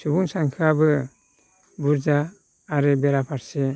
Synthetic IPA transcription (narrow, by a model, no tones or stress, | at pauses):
subuŋsaŋkʰabɯ | buɾzaː | ɾɯbeɾapʰaɾse